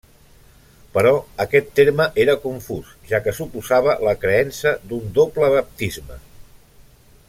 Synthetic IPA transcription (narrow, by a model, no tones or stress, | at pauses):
pəɾɔəkɛt̪ːeɾməʔeɾəkuɱfusʒ̥akəsupuzaβ̞ələkɾəɛnsəd̪und̪opləβəp̚t̪izmə̰